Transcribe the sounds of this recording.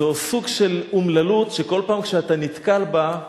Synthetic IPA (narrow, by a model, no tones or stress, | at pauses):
osuɡʃelumlalutʃeko̞lpaːmkʃeatanit̪kalba